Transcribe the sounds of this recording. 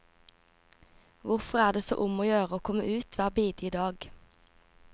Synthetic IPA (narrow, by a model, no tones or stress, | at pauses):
ʋʊʁfɔʁæːd̪eːso̰ːʔʊmoːjøːʁəoːkʰɔməʔʉːt̪ʰʋæːʁbiːd̪iːd̪ɑːɡ